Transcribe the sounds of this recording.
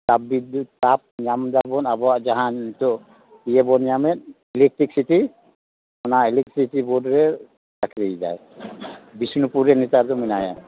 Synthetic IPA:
tabid̪utap̚ɲamd̪abɔnabɔwaʔd͡ʒaɦãnt̪ɔʔ | pijɛbɔnamɛt̪̚ | ɛlɛk̚ʈɾik̚siti | mɔnailɛk̚ʈɾistibɔdɾɛ | takɾijd͡ʒa̰j | bisnupuɾɛnit̪aɾd̪ɔminaja

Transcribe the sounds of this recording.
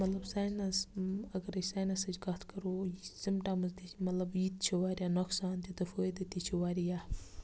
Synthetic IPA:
mɐt̪lɐbsaːjnɐsɐɡɐɾɐt͡ʃsaːjnɐsɐd͡ʒɡɐt̪ʰkɐɾosimʈamɐzd̪imɐt̪lɐbjiːt̪̚t͡ʃʰiwaːɾʲjanoksaːnt̪it̪ɨfojd̪ɐt̪it͡ʃʰiwaːɾija

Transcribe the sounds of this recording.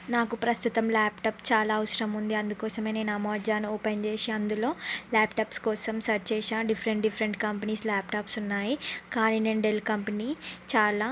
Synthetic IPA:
naːkupɾɐst̪ut̪ɐmlaːpʈaːpt͡ʃaːlaːɐwɐsɐɾɐmund̪iɐnd̪ukɔːsɐme̞ːne̞ːnamɐʋɐd͡ʒaːnuɔːpejnt͡ʃeːʃeɐnd̪ulo̞ːlaːpʈaːpskɔːsɐmsɐt͡ʃeːʃaːɖipʰɐɾeɳʈɖipʰɐɾeɳʈkɐmpɐniːslaːpʈaːpsunːaːjikaːnineːnɖelkɐmpɐniːt͡ʃaːlaː

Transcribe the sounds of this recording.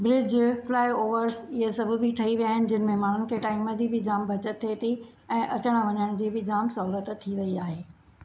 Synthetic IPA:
bɾɪd͡ʑflaːɪoːʋəɾsɪɦesɐbʱʊ̆bʱɪʈʰɐiʋijaːɦɪnɪ̆d͡ʑɪnə̆mẽmaːɽ̤ʊnɪ̆kʰeʈaːiməd͡ʑiːbɪd͡ʑaːmbʱɐt͡ɕət̪ʰːet̪ʰi | ɛ̃ːʔɐt͡ɕəɽ̃aʋɐɲəɽ̃d͡ʑiːbɪd͡ʑaːmsɐɦuːlət̪t̪ʰːiʋɐiaːɦeː

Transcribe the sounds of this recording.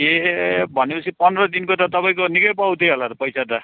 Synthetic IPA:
ebʱʌnepʌt͡sʰipʌnrʌd̪inkot̪ʌt̪ʌpaj̃konikʌjpaw̃t̪ʰeɦolarpʌjsʰat̪ʌ

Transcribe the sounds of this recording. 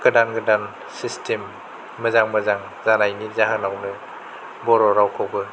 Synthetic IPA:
kɯdanɡɯdan | sistʰemː | ɐzaŋmɐzaŋ | zanajnizaɦanawnɯ | bɔɾɔɾawkʰawɡɯ

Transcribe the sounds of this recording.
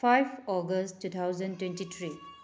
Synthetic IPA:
pʰajpʰɔɡəsttːut̪ʰawzəntwẽntit̪ʰɾi

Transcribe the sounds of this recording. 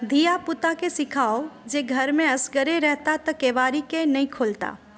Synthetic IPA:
d̪ʱijapʊt̪akesɪkʰaːod͡ʒeːɡʱɐɾmẽɐsɡəɾeɾɛɦt̪at̪ɐkeːʋaːɾikenɐĩkʰoːlt̪a̰ː

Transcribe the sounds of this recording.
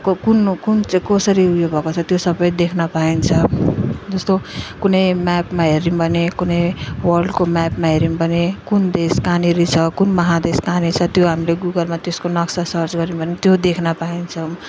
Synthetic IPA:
kkunkunt͡skʌsʌɾiujobʱʌkot͡sʰʌt̪josʌbʌjd̪ekʰnʌpaint͡sʰʌd͡zʌst̪okunʌjmapmaɦeɾimbʱʌnekunʌjwʌrɖkomapmaɦeɾimbʱʌnekund̪eskaniɾit͡sʰʌkunmʌɦad̪eskanit͡sʰʌt̪joɦamileɡuɡʌlmat̪jeskonʌksasʌrt͡sɡʌɾimbʱʌnet̪jod̪ekʰnʌpaint͡sʰʌ

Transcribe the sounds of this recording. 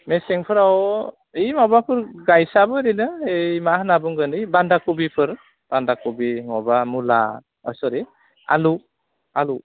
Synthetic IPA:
meseŋpʰɯɾawɔ | ejmabakʰɯɾɡajsabɯɾinɯejmahnabuŋɡɯndijbandakubipʰɯɾ | b̥andakubiŋɔbamula̰ | ɔjsɔɾi | a̰lu | alu

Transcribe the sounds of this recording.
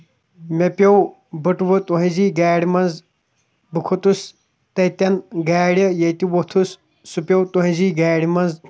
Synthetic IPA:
mepʲɐw | bəʈʋɨt̪oɦĩziːɡaːɽʲimɐnz | bɨkʰot̪us | t̪ɐit̪ʲɐnɡaːɽʲjɐjɐt̪iʋot̪ʰus | supʲjɐwt̪oɦĩziːɡaːɽʲmɐnz

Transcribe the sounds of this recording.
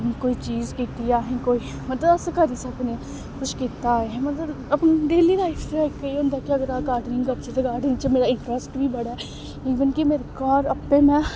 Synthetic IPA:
koːit͡ʃiːzkit̪ijaːɦẽkoːi | mɐt̪ləbɐsɐkɐɾisaɐpne | kʊʃkit̪amɐt̪ləb | ɐpnd̪eːlilaːɪfʰtɛːkːɐiõnd̪akjɐɡəɾaːɡaːɾɖɾɪ̃ŋkɐɾt͡ʃet̪eɡaːɖnit͡ʃemeːɾaɪ̃ɳʈɾəsʈbʱibɐɽaɛ | iːʋənkimeːɾekaːɾɐpːemɛ̃ː

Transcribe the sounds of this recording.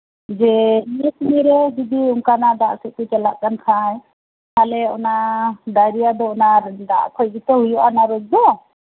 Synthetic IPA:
d͡ʒɛiɛsmiɾɛd͡ʒid̪iuŋkanad̪aʔsɛʔkut͡ʃɛlaʔ̚kankʰaj | halɛɔ̰nad̪aɾijad̪ɔɔnad̪a̰ʔkʰɔjɡit̪ɔɦujɔʔanaɾɔk̚d̪ɔ

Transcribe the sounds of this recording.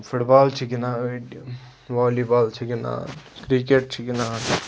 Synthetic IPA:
fuʈbaːlt͡ʃʰikinaːʈ | ʋaːlibaːlt͡ʃʰikina̰ːkɾikeʈ̚t͡ʃʰikinaː

